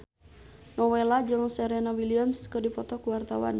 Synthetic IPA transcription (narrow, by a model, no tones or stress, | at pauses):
nɔwɛlad͡ʒɨŋsɛɾɛnawiliamskɨrdipɔt̪ɔkuwart̪awa̰n